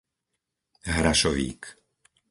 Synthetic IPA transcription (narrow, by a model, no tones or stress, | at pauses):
ɦɾaʃɔʋḭːk